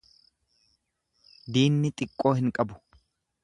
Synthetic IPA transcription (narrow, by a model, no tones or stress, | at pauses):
d̪iːnːɪt̪ʼɪkʼːo̞ːhɪŋkʼɐbʊ̥